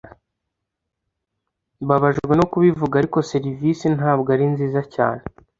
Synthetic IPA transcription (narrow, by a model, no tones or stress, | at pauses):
βaβaʒɡɡwe̞no̞kuβivuɡaːɾiko̞se̞ɾivisinaːbɡaɾinziːzaca̰ːne